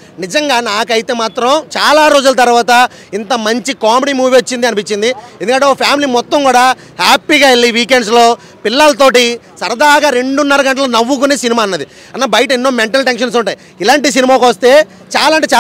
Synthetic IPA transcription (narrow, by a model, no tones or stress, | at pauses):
nid͡ʒɐŋɡaːnaːkɐjit̪e̞ːmaːt̪ɾɐmt͡ʃaːlaːɾoːd͡ʒulɐt̪̬ɐɾʋaːt̪ɐ | int̪ɐmɐɲt͡ʃikaːmeɽimuːʋot͡ʃːind̪iɐnipit͡ʃːind̪iend̪ukɐɳʈeopʰjaːmiliːmɔt̪ːɐmkuːɽaː | haːpiːɡaːeɭːiʋiːkeɳɖs̬lo̞ː | pilːɐlɐt̪̬o̞ːʈi | sɐɾɐd̪aːɡaɾe̞ɳɖunːɐɾɐɡɐɳʈɐlonɐʋːukuneːsinimaːnːɐd̪i | ɐnːaːbɐjɐʈɐinːo̞ːmeɳʈɐlʈenʂɐns̬uɳʈaːji | ilaːɳʈis̬inimaːkʋɐst̪e̞ː | t͡ʃaːlaːɳʈeːt͡ʃaː